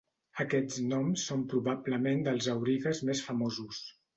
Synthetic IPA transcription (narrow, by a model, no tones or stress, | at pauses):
əkɛd͡znɔmsːompɾuβabləmend̪əlˠzəwɾiɣəzmesfəmozus